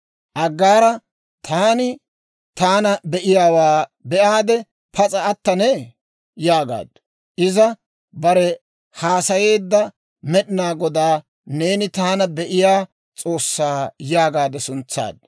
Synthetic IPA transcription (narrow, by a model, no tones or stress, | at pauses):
ʔɐɡːaːɾɐ | t̪ʰaːnɪ | t̪aːnɐbɛʔɪjaːwaːbɛʔaːd̪ɛ | pɐt͡sʼɐːt̪ːɐnɛ | jaːɡa̰ːd̪ | ʔɪzɐ | bɐɾɛ | haːsɐje̞ːd̪ːɐ | mɛɗɪnaːɡɔd̪aː | ne̞ːnɪt̪aːnɐbɛʔɪjaː | t͡sʼo̞ːsːaːjaːɡaːd̪ɛsʊnt͡sːa̰ːd̪